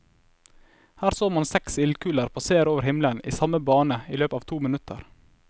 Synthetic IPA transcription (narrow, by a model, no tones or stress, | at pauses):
hæːɾsoːmɑnsɛksɪlkʉːləɾpʰoːseːəɾoːʋəɾhɪmlənḭːsɑməbɑːnəiːløːpɑːʋt̪ʰuːmɪnʉt̪ʰə̰ɾ